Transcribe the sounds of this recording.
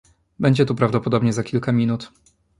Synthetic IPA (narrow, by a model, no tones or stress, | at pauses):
bɛɲd͡ʑɛt̪upɾavd̪ɔpɔd̪ɔbɲɛzakʲilkamʲinut̪